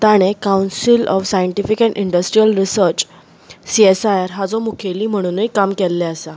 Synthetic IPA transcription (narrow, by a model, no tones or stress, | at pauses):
t̪aɽ̃ekawnsilɔfsajəɳʈifikɛ̃ɳʈiɳɖəsʈɾijəlɾisəɾt͡ɕ | siesajaɾɦad͡zɔmukʰeliːm̤əɽ̃uːnikːamkɛlːɛəsa